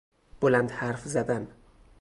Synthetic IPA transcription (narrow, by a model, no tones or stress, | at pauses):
b̥oland̪haɾfzad̪æn